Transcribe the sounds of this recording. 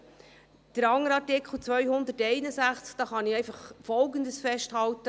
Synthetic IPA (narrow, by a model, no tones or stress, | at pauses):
d̪̥əɾɑŋːəɾɑɾtɪkχl̩ˠt͡sʋœʏhʊnd̪ətɛɪnəsæχt͡skd̥ɑːχɑniɛɪjfɑχfɔlɡəndəsfɛʃthɑlt̪ə